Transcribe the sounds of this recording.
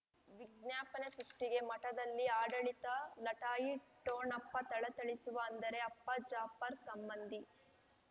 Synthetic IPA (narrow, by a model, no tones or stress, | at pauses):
ʋiɡnjaːpɐnesɾuʂʈiɡe̞mɐʈɐd̪ɐlːiaːɖɐɭit̪ɐlɐʈaːjiʈoːnɐpːɐt̪ɐɭɐt̪ɐɭisuʋɐːnd̪ɐɾe̞ɐpːɐd͡ʒaːpːɐɾsɐmbɐnd̪ʱi